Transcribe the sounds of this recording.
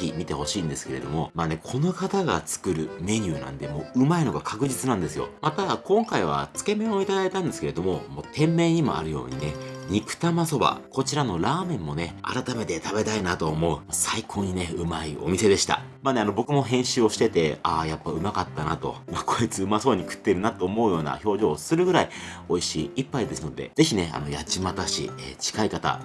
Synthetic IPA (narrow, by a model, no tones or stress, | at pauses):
imʲit̪e̞ho̞ɕĩːnd̪e̞sɨ̥ke̞ɾe̞̰d̪o̞mo̞maːne̞kʰo̞no̞kat̪aɡa̰t͡sɨ̥kɯ̟ɾɯ̟me̞ɲ̟ɨːnã̰nd̪e̞mo̞ːɯ̟maino̞ɡakʰakɯ̟ʑit͡sɨnãnd̪e̞sɨjo̞̰mat̪akõ̞ŋkaiβ̞a̰t͡sɨ̥ke̞mẽ̞oit̪ad̪ait̪ãnd̪e̞sɨ̥ke̞ɾe̞d̪o̞mo̞mo̞ːt̪ʰẽ̞mːe̞ːɲ̟imo̞̰a̰ɾɯ̟jo̞̰ːɲ̟ine̞ɲ̟ikɯ̟̥t̪amaso̞ba̰ko̞t͡ɕiɾano̞ɾaːmẽ̞mːo̞ne̞a̰ɾat̪ame̞t̪e̞t̪abe̞t̪ainat̪o̞ːmo̞ɯ̟masaikʰo̞ːɲ̟ine̞ɯ̟maio̞̰mʲise̞d̪e̞ɕi̥t̪a̰ | maːneano̞bo̞kɯ̟mo̞ɦẽɰ̃ɕɨːo̞ɕi̥t̪e̞t̪e̞ajapːaɯ̟makat̪ːanat̪o̞̰mako̞it͡sɨɯ̟maso̞ːɲ̟ikɯ̟̥t̪ːe̞ɾɯ̟nat̪ːoːmo̞ɯ̟jo̞ːna̰ço̞ːʑo̞ːsɨɾɯ̟ɡɯ̟ɾaio̞iɕiːipːaid̪e̞sɨno̞d̪e̞̰z̥e̞çine̞a̰no̞jat͡ɕimat̪aɕḭḛt͡ɕi̥kaikat̪a̰